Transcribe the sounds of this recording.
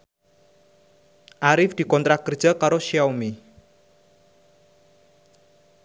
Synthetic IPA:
ʔaɾɪfd̪̥i̤kɔnt̪ɾakərd̥d͡ʒ̥a̤kaɾoʃiawmi

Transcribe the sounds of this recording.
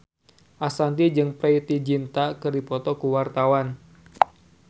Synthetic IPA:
ʔasant̪id͡ʒɨŋpɾɛit̪id͡ʒint̪akɨrdipɔt̪ɔkuwart̪awan

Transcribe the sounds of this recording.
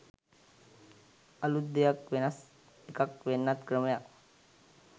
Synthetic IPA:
ɐlud̪ijak̚ʋenas | t̪ikakʋenːat̪kɾəmja

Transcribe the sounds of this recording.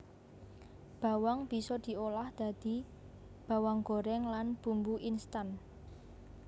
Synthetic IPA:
b̥a̤waŋb̥i̤sɔd̪̥i̤olahd̪̥a̤d̪̥i̤ | b̥a̤waŋɡo̤ɾɛŋlanb̥umbuʔinst̪an

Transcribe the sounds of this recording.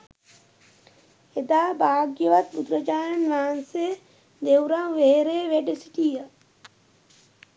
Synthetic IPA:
ed̪aːbaːɡjəʋat̪̚bud̪ɾəd͡ʒaːjənʋaːanse | d̪ewɾaŋʋeːɾeːʋeɖesiʈijə

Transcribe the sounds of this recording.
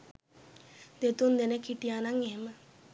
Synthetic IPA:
d̪̥et̪und̪enekiʈijaːnaŋeɦemə

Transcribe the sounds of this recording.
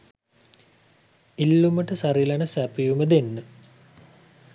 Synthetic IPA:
ilːuməʈəsaɾilanəsæpijuməd̪enːə

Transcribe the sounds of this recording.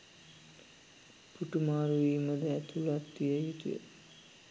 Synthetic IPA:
puʈumaːɾuʋiːməd̪əæt̪ʰulat̪ːijəjut̪ḭjə̰

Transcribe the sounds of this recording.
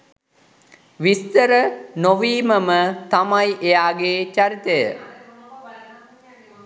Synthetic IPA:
ʋist̪əɾənoʋiːməmət̪amajʔejaːɡeːt͡ʃaɾit̪əjə̰

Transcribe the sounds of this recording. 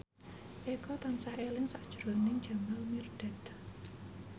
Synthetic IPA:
ʔekɔt̪ansahelɪŋsaʔd̥ʒ̥ɾonɪŋ̥d͡ʒ̥a̤malmirɖ̥a̤t̪

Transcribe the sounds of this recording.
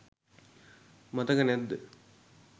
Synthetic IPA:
mɐt̪ɐkɐned̪ɨ

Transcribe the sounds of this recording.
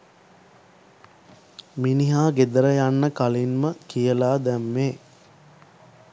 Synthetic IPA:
miniɦaːɡed̪əɾəjanːəkalinməkijəlaːd̪æmːeː

